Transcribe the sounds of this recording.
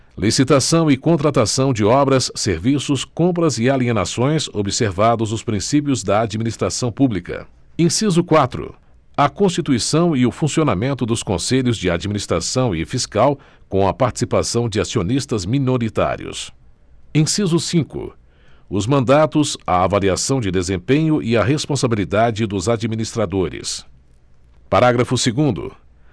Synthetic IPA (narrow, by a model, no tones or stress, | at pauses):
lisit̪asɐ̃w̃ɪkõnt̪ɾat̪asɐ̃w̃d͡ʒɪɔbɾɐsːeɾvisʊskõmp̬ɾɐzɪalienasõj̃sobiseɾvad̪ʊzʊspɾĩsip̬iʊzd̪ɐad͡ʒiminist̪ɾasɐ̃w̃publikɐ̰ | ẽsizʊkwat̪ɾʊ̰ | ɐkõst͡ʃit̪uisɐ̃w̃ɪʊfũsionamẽnt̪ʊd̪ʊskõseʎʊzd͡ʒɪad͡ʒiminist̪ɾasɐ̃w̃ɪfiskaw | kõw̃ɐpaɾt͡ʃi̥sipasɐ̃w̃d͡ʒɪasionist̪ɐzminoɾit̪a̰ɾḭʊ̰s | ẽsizʊsĩkʊ̰ | ʊzmɐ̃nd̪at̪ʊzɐ̰avaliasɐ̃w̃d͡ʒɪd̪ezẽpẽɲʊʔɪɐɦespõsabilid̪ad͡ʒɪd̪ʊzad͡ʒiminist̪ɾad̪oɾɪ̰s | paɾaɡɾɐfʊseɡũnd̪ʊ̰